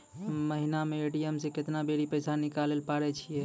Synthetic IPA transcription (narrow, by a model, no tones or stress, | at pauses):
məɦinameːʈijemsekɪt̪nabeɽipəɪsanikalelpaɽɛt͡ʃʰiɛ